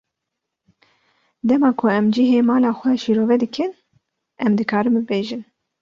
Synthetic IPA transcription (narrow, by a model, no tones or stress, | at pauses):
d̪ɛmɑːkʰʊɛmd͡ʒiɦeːmɑːlɑːxʷɛʃiːɾoːvɛd̪ɨkʰɨn | ʔɛmd̪ɨkʰɑːɾɨmbɨbeːʒɨn